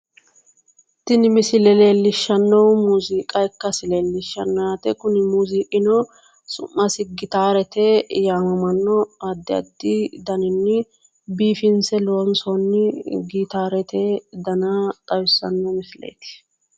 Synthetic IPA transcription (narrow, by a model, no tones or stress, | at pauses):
t̪ːɪnɪmɪsɪlɛleːlːɪʃːɐnːɐwmuːziːkʼɐkːɐsɪleːlːɪʃːɐ̰nːaːt̪ɛkʊnɪmuːziːʔɪnɔ | sʊ̰mːɐsɪɡɪt̪aːɾɛt̪ejaːmɐmɐnːɔɐd̪ːɪɐ̰d̪ːɪd̪ɐnɪnːɪ | biːfɪnsɛloːnsɔnːɪɡiːt̪aːɾɛt̪ʰed̪ɐnat̪ʼɐjʊsːɐnːɔmɪsɪlḛjt̪ɪ̥